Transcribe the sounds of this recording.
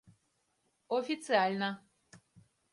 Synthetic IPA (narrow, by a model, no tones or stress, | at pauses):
ofit͡sialinã